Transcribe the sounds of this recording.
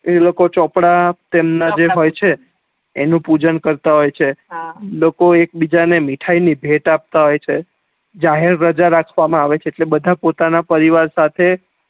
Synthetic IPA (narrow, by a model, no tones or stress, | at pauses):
elokot͡ʃɔpɽat̪emnad͡ʒeɦojt͡ʃʰeː | nũpud͡ʒənkəɾt̪aɦojt͡ʃʰelokoek̚bid͡ʒanemiʈʰainibʱeʈap̚t̪aɦojt͡ʃʰe | d͡ʒaɦeɾːəd͡ʒaɾakʰʋamãaʋet͡ʃʰeːʈlebəd̪ʱapot̪anapəɾiʋaɾsat̪ʰe